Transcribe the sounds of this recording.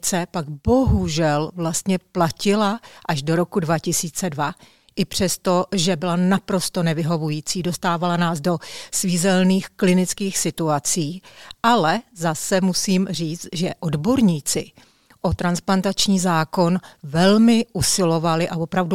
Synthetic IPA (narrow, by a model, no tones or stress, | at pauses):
t͡sɛpaɡbo̞ɦuʒɛlvlast̪ɲɛplacɪlaʔaʒdo̞ɾo̞kudvacɪsiːt͡sɛdva | ʔɪpr̝̥ɛst̪o̞ʒɛbɪlanapɾo̞st̪o̞nɛvɪɦo̞vujiːt͡siːdo̞st̪aːvalanaːzdo̞sviːzɛlniːxklɪnɪt͡skiːxsɪt̪uat͡siːʔalɛzasɛmusiːmriːt͡st̪ʒɛʔodbo̞ɾɲiːt͡sɪ | ʔo̞t̪ɾansplant̪at͡ʃɲiːzaːko̞nvɛlmɪʔusɪlo̞valɪʔavo̞pɾavdu